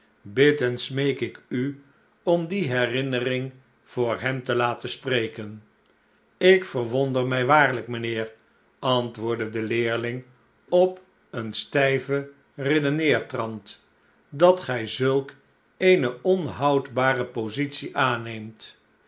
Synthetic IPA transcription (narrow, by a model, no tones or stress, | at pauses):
bɪtənsmejkɪky | ɔmdiɦɛrɪnərɪŋ | v̥ʊːɹɦɛmtəlaːtəsprejkən | ɪkfərʋɔndərmɛjʋaːɹləkmənɪːr | ɑntʋʊːɹdədəlɪːɹlɪŋ | ɔp | ənstɛjvə | rɪdənɪːɹtrɑnt | dɑtχɛjzɵlˠk | ejnəʔɔnɦɑwdbaːrəpowzitsiʔaːnejmt